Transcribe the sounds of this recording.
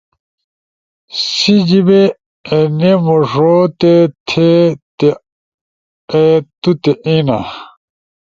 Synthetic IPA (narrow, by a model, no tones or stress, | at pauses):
sid͡ʑibe | enemoʐot̪et̪ʰet̪e | et̪ut̪eʔina̰